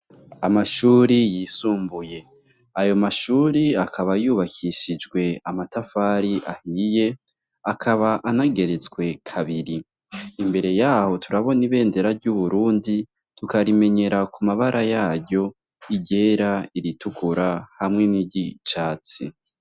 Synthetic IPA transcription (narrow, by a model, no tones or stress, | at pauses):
amaʃuːɾijiːsuːmbuje̞ | ajo̞maʃuːɾiakʰaβajuːβakʰiʃid͡ʒɡwe̞amatafaːɾiʔahije̞ | akʰaβaʔanaɡe̞ɾe̞t͡sɡwe̞kʰaβiɾiː | mbe̞ɾe̞jaːho̞tʰuɾaβo̞niβe̞ːnde̞ɾaɾɟuβuɾuːndi | tukaɾime̞ɲe̞ɾakʰumaβaɾʔajaːɾɟo̞ | iɟe̞ːɾaiɾitukʰuɾahamŋe̞niɟit͡ʃaːt͡si